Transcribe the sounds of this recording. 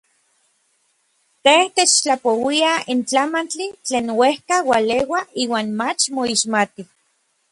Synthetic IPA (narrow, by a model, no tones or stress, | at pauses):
t̪eht̪et͡ʃt͡ɬapowiaint͡ɬamant͡ɬit͡ɬeːnwehkawalewaiːwaːnmat͡ʃmoiʃmat̪i